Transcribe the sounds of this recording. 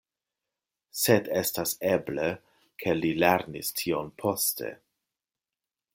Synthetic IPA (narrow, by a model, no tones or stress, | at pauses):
sedestaseble | kʰe̞lileɾnistʰionpʰo̞stʰe̞̰